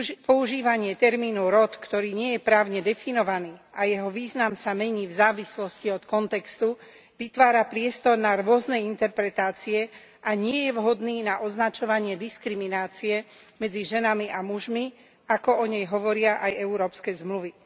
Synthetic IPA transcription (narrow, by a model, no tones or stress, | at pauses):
pɔuʒiːʋaɲɪɛt̪ɛɾmiːnuɾɔt̪kt̪ɔɾiːɲɪɛjɛpɾaːʊɲɛd̪ɛfinɔʋaniːʔajɛɦɔʋiːznamsamɛɲiːvzaːʋislɔsciɔt̪kɔnt̪ɛkst̪u | ʋit̪ʋaːɾapɾɪɛst̪ɔɾnaɾʊɔznɛint̪ɛɾpɾɛt̪aːt͡siɛ | ʔaɲɪɛjɛʋɦɔd̪niːnaʔɔznat͡ʃɔʋaɲɪɛd̪iskɾiminaːt͡siɛ | mɛd͡ziʒɛnamiʔamuʒmi | akɔɔɲɛjɦɔʋɔɾɪaʔajɛuɾɔːpskɛːzmluʋi